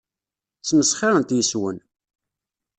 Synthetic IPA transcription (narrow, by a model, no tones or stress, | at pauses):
t͡sːməsχaɾənt̪jəswə̰n